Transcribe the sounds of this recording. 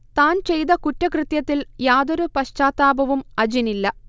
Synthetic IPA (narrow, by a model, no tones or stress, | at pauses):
t̪aːnt͡ɕe̞jt̪ɐkutːɐkrɨt̪jɐt̪ːiljaːd̪oɾupɐɕt͡ɕaːt̪ːaːbɐʋumɐd͡ʑinilːɐ